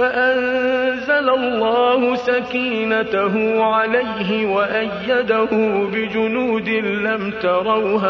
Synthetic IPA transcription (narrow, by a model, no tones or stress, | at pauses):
faʔanzalalˤːɑːhʊsakiːnataɦʊʕalajɦɪwaʔajːad̪ahʊbɪd͡ʒʊnuːd̪ɪlamt̪ɑɾˤɑwhaː